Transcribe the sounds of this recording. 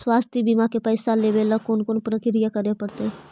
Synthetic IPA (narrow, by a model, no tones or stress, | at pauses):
swaːst̪ʰibimakepəːsalebelakoːnkoːnpɾəkɪɾijakəɾepəɽt̪e